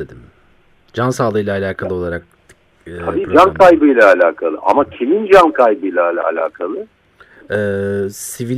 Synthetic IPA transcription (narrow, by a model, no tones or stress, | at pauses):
ed̪im | d͡ʒansaːlˠɯjlˠaːlʲaːkʰalˠɯo̞lˠaɾak̚ː | tʰːabiːd͡ʒankʰajbɯjlʲˠaːlʲaːkʰalˠɯʔa̰macʰimind͡ʒankʰajbɯjlˠaːlʲˠa̰ːlʲa̰ːkʰalˠɯ | ɛːsivi